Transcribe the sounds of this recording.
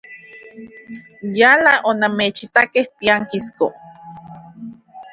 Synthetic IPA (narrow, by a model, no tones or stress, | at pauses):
jalaʔonameːt͡ʃit̪akeht̪iaŋkisko